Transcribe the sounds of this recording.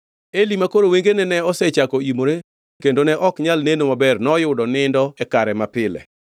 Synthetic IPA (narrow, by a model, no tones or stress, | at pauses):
elimakoɾoweŋɡenɛnɛɔsɛt͡ʃakoimoɾe | kendonɛʔɔkɲalnenomabɛrnɔjʊdɔnɪndɔɛkaɾɛmapɪlɛ̰